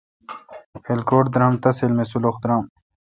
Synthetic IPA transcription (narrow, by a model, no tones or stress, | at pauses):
xelkoːʈ̚d̪ɾamt̪ɐselmesuloxd̪ɾaːm